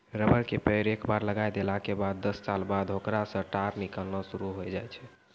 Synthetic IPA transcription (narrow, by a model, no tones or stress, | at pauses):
ɾəbəɾkepəɾekbaɾləɡajd̪elakebad̪ːəsːalbad̪ʱɦokɾasə̃ʈaɾnikəlnɔsuɾuɦojd͡ʒajt͡ʃʰɛ